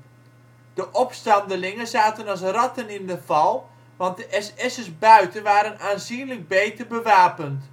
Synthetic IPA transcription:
d̥əʔɔpstɑndəlɪŋəzaːtənɑs̬rɑtənɪndəfɑlˠ | ʋɑnt̚dəʔɛsɛsəsbœɥtənʋaːɾənaːnzinləɡ̚bejtərbəʋaːpənt

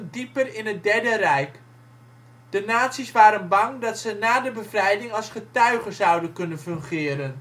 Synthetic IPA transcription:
ndipərɪnɦət̚dɛɹdərɛjk | d̥ənaːtsisʋaːɾənbɑŋdɑtsənaːdəbəvrɛjdɪŋɑlˠsχətœɥχəzʌwdənkɵnənfɵŋχɪːɾən

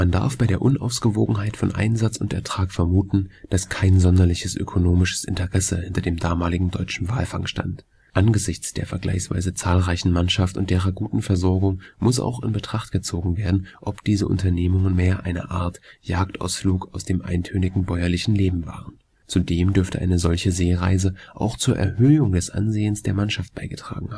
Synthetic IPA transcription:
manda̰ɐfb̥aɪɾeːɐʔʊnʔa̰ʊsɡ̥əvoːɡŋ̩ɦaɪtfɔnʔa̰ɪnzat͡sʊntɛ̰ɐtʁ̥aːkfɛɐmuːtn̩d̥askʰaɪnzɔndɐlɪçəsʔø̰kʰonoːmɪʃə̥sʔɪ̰ntəʁɛsəhɪntɐdeːmdaːmaːlɪɡŋ̩dɔʏt͡ʃn̩va̰ːlfa̰ŋʃta̰nt | ʔanɡəzɪçt͡sd̥eːɐfɛɐɡla̰ɪçsv̥a̰ɪzət͡saːlʁaɪçn̩manʃaftʊ̰ntd̥eːʁɐɡuːtn̩fɛɐzɔɐɡʊŋmʊsʔa̰ʊxɪ̰nbətʁ̥aχtɡ̥ət͡soːɡŋ̩veːɐdn̩ʔɔpd̥iːzəʔʊ̰ntɐneːmʊŋənmeːɐʔa̰ɪnə̰ʔaːɐtjaːktʔa̰ʊsfluːkaʊsd̥eːmʔa̰ɪntʰøːnɪɡŋ̩bɔʏɐlɪçn̩leːbm̩va̰ːʁən | t͡sudeːmdʏɐftə̰ʔa̰ɪnəzɔlçəzeːʁaɪzəʔa̰ʊxt͡suːɐʔɛ̰ɐhøːʊŋdɛsʔa̰nzeːənsd̥eːɐmanʃaft̚b̥aɪɡətʁ̥a̰ːɡŋ̩ha

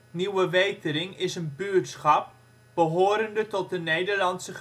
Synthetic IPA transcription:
niwəʋejtəɾɪŋɪsənbyːɹtsχɑp̚ | b̥əɦoːɾəndətɔt̚dənejdəɹlɑnsə

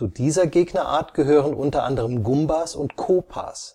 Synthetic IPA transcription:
t͡sudiːzɐɡeːɡnɐʔa̰ːɐtɡ̥əɦøːʁənʔʊntɐʔa̰ndəʁəmɡʊmbasʊntkʰoːpʰa̰ːs

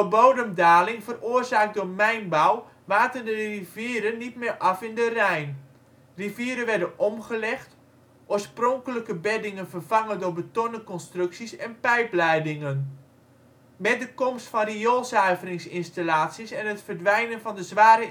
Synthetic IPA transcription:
bowdəmdaːlɪŋvəroːərzaːk̚dʊmɛjnbɔw | ʋaːtəndəriviːəɾənːitmɪːrʔɑfɪndərɛjn | riviəɾəʋɛɹdənʔɔmχəlɛxt | ʔoːɹsprɔŋkələkəbɛdɪŋənvərvaŋəndʊɹbətonəkɔnstrɵksisɛnpɛjplɛjdɪŋən | mɛt̚dəkɔmstfɔnrijolˠsœɥvərɪŋsɪnstalaːtsisɛnɦətfərdʋɛjnənvɑndəzʋaːɾə

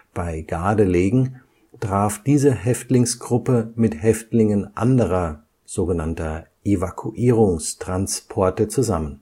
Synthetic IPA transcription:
b̥aɪɡaːdəleːɡŋ̩ | tʁ̥aːfd̥iːzəɦɛftlɪŋsɡ̥ʁʊpəmɪthɛftlɪŋənʔa̰ndəʁɐ | z̥oːɡənantɐʔevakʰuʔiːʁʊŋstʁ̥anspʰɔɐtət͡suzamən

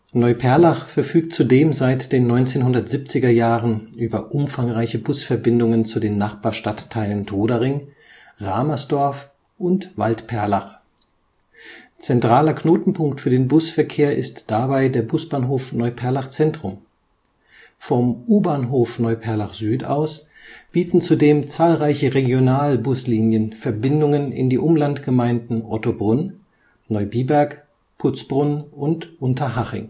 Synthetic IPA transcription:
nɔʏpʰɛɐlaχfɛɐfyːk̚tt͡sudeːmzaɪtd̥eːnːɔʏnt͡seːnɦʊndɐtz̥ip̚t͡sɪɡɐjaːʁənʔyːbɐʔʊmfaŋʁaɪçəbʊsfɛɐbɪndʊŋənt͡sudeːnːaχb̥aːɐʃtatʰːaɪləntʰoːdaʁɪŋ | ʁaːmasd̥ɔɐf | ʔʊntvaltpʰɛɐlaχ | t͡sɛntʁ̥aːlɐkʰnoːtn̩pʰʊŋktfyːɐdeːnbʊsfɛɐkʰeːɐʔɪstd̥abaɪdeːɐbʊsb̥aːnɦoːfnɔʏpʰɛɐlaχt͡sɛntʁ̥ʊm | fɔmʔuːbaːnɦoːfnɔʏpʰɛɐlaχz̥yːta̰ʊs | b̥iːtn̩t͡sudeːmt͡saːlʁaɪçəʁeɡjonaːlbʊsliːnjənfɛɐbɪndʊŋənɪ̰ndiːʔʊmlantɡ̥əmaɪndn̩ʔɔtobʁʊn | nɔʏbiːbɛɐk | pʰʊt͡sb̥ʁʊnʔʊntʔʊntɐɦaʁɪ̰ŋ

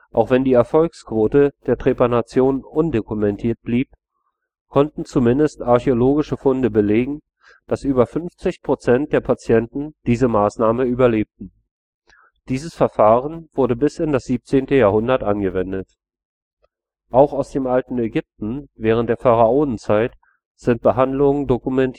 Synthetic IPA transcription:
ʔaʊxv̥ɛndiːɛɐfɔlkskv̥oːtəd̥eːɐtʁ̥eːpanat͡sjoːnəʔʊndokumɛntʰiːɐt̚b̥liːp̚ | kʰɔntn̩t͡sumɪndəstaɐçeoloːɡɪʃəfʊndəbəleːɡŋ̩ | d̥asʔyːbɐfʏnft͡sɪçpʁ̥ot͡sɛnt̚d̥eːɐpʰat͡sjɛntn̩d̥iːzəmaːsnaːməyːbɐleːp̚tn̩ | d̥iːzəsfɛɐfaːʁənv̥ʊɐdəbɪsɪndasz̥iːp̚t͡seːntəjaːɐhʊndɐtʔanɡəvɛndət | ʔaʊxaʊsd̥eːmʔaltn̩ɛɡʏp̚tn̩vɛːʁ̞ən̩td̥eːɐfaʁaʔoːdn̩t͡saɪt | z̥ɪnt̚b̥əɦandlʊŋəndokumɛntʰ

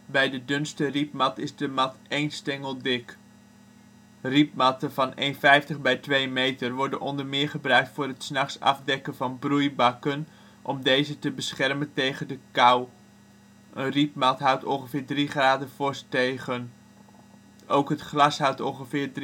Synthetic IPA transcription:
bɛjdədʏnstərip̚mɑtɪzdəmɑtejnstɛŋəlˠdɪk | rip̚mɑtəvɑnejnfɛjftəχbɛjtʋejmejtərʋɔɹdənʔɔndəɹmɪːɹχəbrœɥk̚tfʊːɾɦətsnɑχsɑ̰fdɛkənvɑnbrujbɑkən | ʔɔmdejzətəbəsχɛrməntejχəndəkaw | ʔənrip̚mɑtɦʌwtɔ̰nχəvɪːɹdriχraːdəvʊstejχən | ʔowkɦətχlɑsɦʌwtɔ̃nχəvɪːɹd

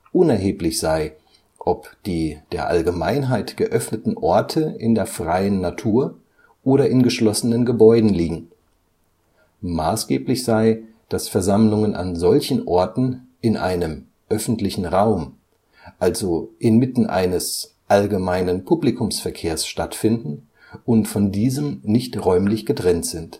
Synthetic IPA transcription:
ʔʊnɛɐɦeːplɪçz̥aɪ | ʔɔpd̥iːd̥eːɐʔa̰lɡəmaɪnɦaɪtɡ̥əʔœfnətn̩ʔɔɐtʰəɪ̰ndeːɐfʁ̥aɪənːatʰuːɐ | ʔoːɾɐɪnɡəʃlɔsənənɡəbɔʏdn̩liːɡŋ̩ | maːsɡ̥eːplɪçz̥aɪ | d̥asfɛɐzamlʊŋənʔa̰nzɔlçn̩ʔɔɐtn̩ | ɪnʔa̰ɪnəm | ʔœfn̩tlɪçn̩ʁaʊm | ʔalzoʔɪnmɪtn̩ʔa̰ɪnəs | ʔalɡəmaɪnənpʰuplikʰʊmsfɛɐkʰeːɐsʃtatfɪndn̩ | ʊntfɔndiːzəmnɪçtʁɔʏmlɪçɡ̥ətʁ̥ɛntz̥ɪnt

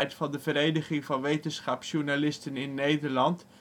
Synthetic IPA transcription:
jtfɑndəvəɾejdəχɪŋvɑnʋejtənsχɑpsuɹnalɪstənɪnːejdəɹlɑnt

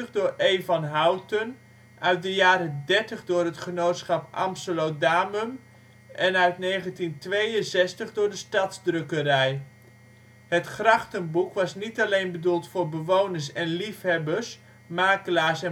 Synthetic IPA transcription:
əχdʊːɹejvɑnɦawtən | ʔœɥt̚dəjaːɾədɛɹtəχdʊːɹɦətχənowtsχɑpɑ̰msəlowdaːməm | ʔɛnœɥtnejχəntintʋejənsɛstəχdʊːɹdəstɑtzdrɵkəɾɛj | ɦətχrɑχtənbukʋɑsnitalejnbədulˠtfʊːɹbəʋownəɹsɛnlifɦɛbəɹs | maːkəlaːɹsɛ

